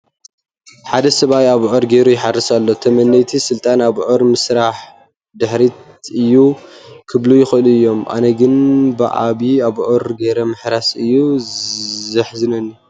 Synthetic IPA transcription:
ħad̪ɐsɐβajaβʕoɾɡeɾujɪħarːɨsalːot̪ʰɐmɐnːɐjt̪ʰisɨlt̪ʼanaβʕoɾmɨsɾaħ | d̪ɨħɾit̪ | ɨjːukʰɨβlujɪxɨlɨjːo̞mʔa̰nɐɡɨnbɨʔa̰βiaβʕoɾɡeɾɐmɨħɾasɨjːu | zɐħzɨnɐnːu

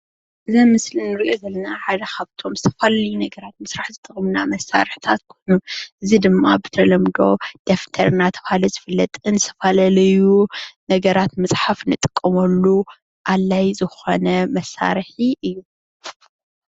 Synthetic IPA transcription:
ʔɨzɐmɨslinɨɾiʔo̞zɐlːɐnaħad̪ɐkʰaβt̪ʰo̞mzɨt̪ʰɐfalalɐjunɐɡɐɾat̪̚mɨsɾaħzɨt̪ʼɨχʼɨmnamɐsːa̰ɾɨħt̪ʰat̪kʰojnuʔɨzid̪ɨmːabɨt̪ʰɐlɐmd̪o̞̰d̪̥eft̪ʰɐɾɨnat̪ʰɐβhalɐzɨfɨlːɐt̪ʼɨnzɨ̥t̪ʰɐfalalɐjunɐɡɐɾat̪mɨsʼħafnɨt̪ʼɨ̥kʼːɐmɐlːu | ʔalːajzɨxo̞nɐmɐsːa̰ɾħiʔɨjːu

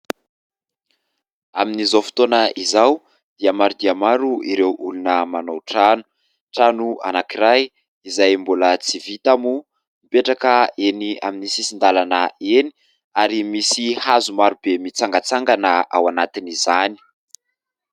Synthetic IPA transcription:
aminizofi̥t̪onəʔizaw | d̪̥iamaɾud̪iamaɾuiɾewʔulunəmanowʈ͡ʂanu̥ | ʈ͡ʂanua̰nakiɾaj | izajmbulət͡sivit̪amu | mipeʈ͡ʂakəenia̰minisisind̪alanəeni̥ | aɾimisihazumaɾubemit͡saŋɡat͡saŋɡanəʔa̰wanat̪inizani̥

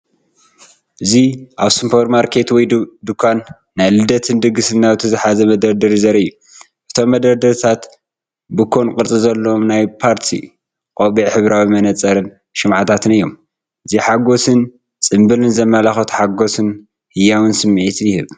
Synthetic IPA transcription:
ʔɨziʔaβsɨmpʰoɾmaɾkʰe̞t̪wɔjd̪ɨkʰːanː | ajlɨd̪ɐt̪ʰɨnd̪ɨɡɨsɨnːaβɨt̪ʰɐzɨħazɐmɐd̪ɐɾd̪ɐɾizɐɾɨjːu | ʔɨt̪ʰo̞mːɐd̪ɐɾd̪ɐɾt̪ʰat̪ | bɨkʰːonkʼɨɾt͡sʼizɐlːoomnajpʰaɾt̪ʰḭ | kʼoβiʕħɨβɾawimɐnɐt͡sʼːɐɾɨn | ʃɨmʕat̪ʰat̪ʰɨnɨjːo̞m | ʔɨziħaɡo̞sɨn | t͡sʼɨmbɨlɨnzɐmːalaxɐt̪ħaɡo̞sɨn | hɨjawɨnsɨmːʕit̪ʰjɪhɨβ

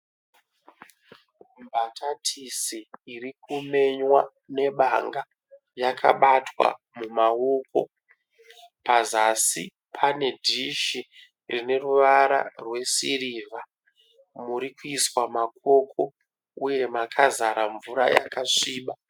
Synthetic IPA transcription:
mbatʰatʰisiːrikume̞ɲwa | ne̞ɓaŋɡa | jakʰa̰ɓatwa̰ | mumaoko̞ | pazasi | pʰane̞dʱiʃi | rine̞ruʋaɾa̰rwe̞siɾiːvʱa | muɾikuiswamakʰo̞kʰo̞ | uje̞makʰazaɾaɱvuɾa̰ja̰kaʂiːɓa

